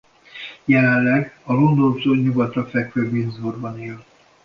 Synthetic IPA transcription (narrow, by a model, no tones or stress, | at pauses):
jɛlɛnlɛɡɒlond̪ovzoːɲuɡɒt̪rɒfɛkføbinzorbɒneːl